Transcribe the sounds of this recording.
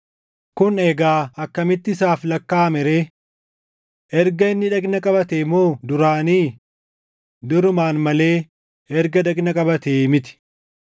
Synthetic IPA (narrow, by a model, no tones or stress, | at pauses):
kʊneːɡaːɐkːɐmɪt̪ːɪɪsaːflɐkːaːmɛɾe̞ː | ɛɾɡɐɪnːɪᶑɐkʼnɐkʼɐbɐt̪eːmoːd̪ʊɾaːniː | d̪ʊɾʊmaːnmɐle̞ː | ɛɾɡɐᶑ̪ɐkʼnɐkʼɐbɐt̪eːmɪt̪ɪ̥